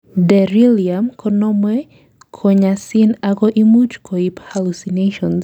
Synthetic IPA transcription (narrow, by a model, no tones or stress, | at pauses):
dɛɾiliamkʰɔnɔmwe | kʰoɲasinaɡoʔimud͡ʒkʰoiphalusineʃɔ̃ns